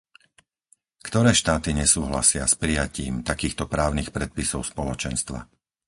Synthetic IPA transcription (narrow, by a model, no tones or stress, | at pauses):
kt̪ɔɾɛːʃt̪aːt̪iɲɛsuːɦla̰sɪaspɾijaciːmt̪akiːxt̪ɔpɾaːʊnixpɾɛt̪̚pisɔʊspɔlɔt͡ʃɛnst̪ʋa̰